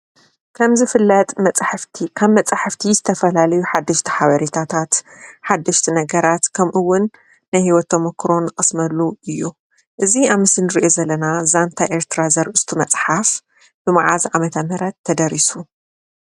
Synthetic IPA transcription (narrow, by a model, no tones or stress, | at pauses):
kʰɐmzɨfɨlːɐt̪ʼmɐt͡sʼħaft̪ʰikʰaβmɐt͡sʼħaft̪ʰizɨt̪ʰɐfɐlalɐjuħad̪ːɐʃt̪ʰi̥ħaβɐɾit̪ʰat̪ʰat̪ħad̪ːɐʃt̪ʰinɐɡɐɾat̪kʰɐmʔɨwːʊnː | ajhiwɔt̪ʰːɐmɐkːɾo̞nɨkʼɨsmɐlːuɨjːu | ʔɨziaβmɨsɨnɨɾiʔozɐlːɐnazant̪ʰaʔe̞ɾt̪ʰɨɾazɐɾʔɨst̪ʰumɐt͡sʼħaf | b̥ɨmaʕazamɐt̪ʰɐmɐɾɐt̪ʰːɐd̪ɐɾisu